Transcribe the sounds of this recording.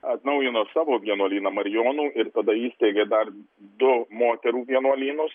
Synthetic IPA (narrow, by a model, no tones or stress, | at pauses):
ɐt̪nɐʊjɪnoːsɑːʋoːʋʲiɛnuɔlʲiːnɐmɐɾʲɪjoːnuːʔɪɾt̪ɐd̪ɐiːsʲt̪ʲeːɡʲeːd̪ɐr | d̪ʊmoːt̪ʲɛɾuːʋʲiɛnuɐlʲiːnʊs